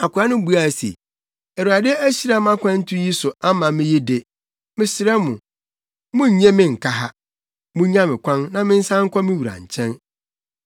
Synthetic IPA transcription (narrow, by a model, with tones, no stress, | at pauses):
a˨kʰʷʊ˨ɾa˦nʊ̃˦bu˦a˨sḛ˨ | ɛ˨wu˨ɾa˨dɪ˦æ˦ɕi˦ɾa˦m˦ã˦kʷʰã˦n̩˦tʰʊ˦ji˦sʊ˨a˦mã˨mɪ̃˦ji˦dɪ˦˨ | mɪ̃˦sɪ˨ɾɛ˦mʊ̰̃˨ | mʊ̃˦ɲ̩˨ɲɛ̃˦mɪ̃˦ŋ̩˨kʰa˦ɦa˦ | mʊ̃˦ɲã˦mɪ̃˨kʰʷã˦nnã˦mɪ̃˦n̩˦sã˦ŋ̩˦kʰʷɔ˦mɪ̃˦wu˨ɾã̰˨ɲ˨t͡ɕʰɛ̃˦n